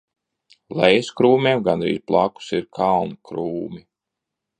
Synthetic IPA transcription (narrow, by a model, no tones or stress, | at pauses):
lˠɛjskɾuːmʲeɛmɡanɾḭːzplˠaku̥siɾkʰalˠnkɾuːmi